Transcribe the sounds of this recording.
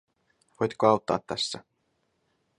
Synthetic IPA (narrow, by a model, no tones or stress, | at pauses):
ʋojt̪koɑwt̪ːɑ̰ːt̪ːæsːæ